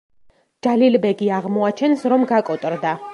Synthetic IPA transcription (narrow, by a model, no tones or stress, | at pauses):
d͡ʒalilbɛɡiaʁmɔat͡ʃʰɛnsɾɔmɡakʼɔt̪ʼɾd̪a